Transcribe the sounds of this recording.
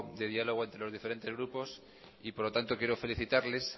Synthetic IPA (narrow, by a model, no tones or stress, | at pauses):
d̪e̞ðialoɣ̞oe̞nt̪ɾe̞lo̞zðifeɾe̞nt̪e̞zɣɾupo̞s | ipoɾlot̪ant̪o̞kjeɾo̞fe̞liθit̪aɾles